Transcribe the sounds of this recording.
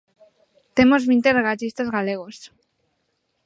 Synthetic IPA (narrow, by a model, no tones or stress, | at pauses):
t̪emozβint̪ereɣat͡ʃist̪azɣaleɣos